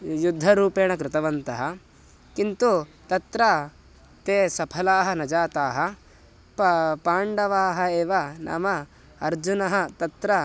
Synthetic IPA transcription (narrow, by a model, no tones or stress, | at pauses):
jud̪ʱːɐɾuːpeːɳɐkɾɪt̪ɐʋɐnt̪ɐɦɐ | kint̪ut̪ɐt̪ɾa | t̪eːsɐpʰɐlaːɦɐ̆nɐd͡ʒaːt̪aːɦɐ̆ | paːɳɖɐʋaːɦɐeːʋɐnʔa̰ːmɐ | ɐɾd͡ʒunɐɦɐt̪ɐt̪ɾɐ